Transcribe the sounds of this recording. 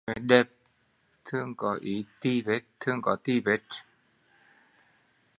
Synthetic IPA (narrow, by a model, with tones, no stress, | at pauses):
me˨˦dɛ˧˩p̚ | t̪ʰɯ˧ə˨ŋkɔ˨˦ʔi˨˦t̪i˧˩be˨˦t̚t̪ʰːɯ˥˩ə˨ŋkɔ˨˦t̪i˧˨be˨˦t